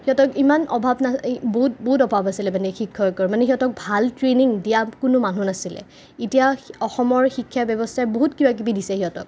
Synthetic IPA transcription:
hiɔtɔkimanɔbʱabnaboɦut̚boɦutɔbʱabasilɛmanɛxikʰːɔkɔɹmanɛɦiɔtɔk̚bʱaltɹeniŋdijakʊnʊmanunasilɛ̰ | itijaɔxɔmɔɹxikʰːjabjɔbɔstʰaboɦutkibak̬ibidisɛhiɔtɔ̰k̚

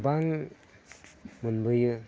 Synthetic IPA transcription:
baŋ | munbɯjɯ

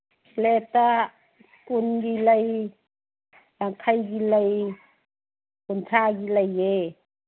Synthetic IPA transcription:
lɛt̪a | kunɡilaj | laŋkʰajɡilaj | kuntʰaɡilaje

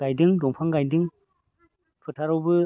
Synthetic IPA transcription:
ajdɯŋdɔŋpʰaŋɡajdɯŋ | pʰɯtʰaɾɔwbɯ

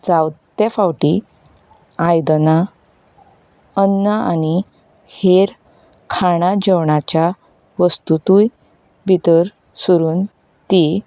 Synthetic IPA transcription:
d͡zawt̪efawʈi | ajd̪na | ənːəani | heɾ | kʰaɽ̃ad͡ʑəwɳat͡ɕja | ʋəst̪ut̪uj | bʱit̪əɾ | suɾuːn | t̪i

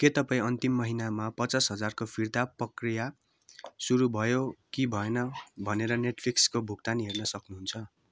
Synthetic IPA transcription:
ket̪ʌpaĩʌnt̪imːʌɦinamapʌt͡sʌsɦʌd͡zarkopʰird̪aprʌkrija | suɾubʱʌjokibʱʌenʌbʱʌneɾʌneʈpʰlikskobʱuɡ̚t̪anɦernʌsʌknuɦunt͡sʰʌ

